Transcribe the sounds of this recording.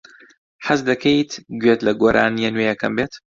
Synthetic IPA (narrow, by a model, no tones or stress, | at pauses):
ħazd̪ɐkʰejt̪ɡɥeːt̪lɐɡoːɾʔa̰ːnjɛnwejɛkʰɐ̰mbeːt̪